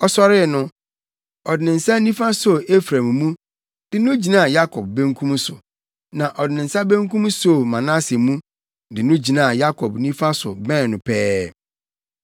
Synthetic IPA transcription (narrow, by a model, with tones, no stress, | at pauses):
ɔ˨sɔ˦ɾɪ˦˨nʊ̃˦ | ɔ˨dɪ˨nɪ̃˨n̩˨sa˦nĩ˦fa˦so˨e˦fɾã˨mmũ˦ | d̥ɪ˨nʊ̃˦d͡ʑi˨nã˦a˨ja˦kʰɔ˨b̚bɛ̃˦ŋkʰũ˦m˦sʊ˨ | nã˨ʔɔ˨dɪ˨nɪ̃˨n̩˨sa˦bɛ̃˦ŋ˦kũ˦m˦so˦˨mã˨na˦se˨mũ˦ | dɪ˨nʊ̃˦d͡ʑi˨nã˦a˨ja˦kʰɔ˨bnĩ˦fa˦sʊ̰˨bɛ̃˦n˨nʊ̃˨pʰɛː˦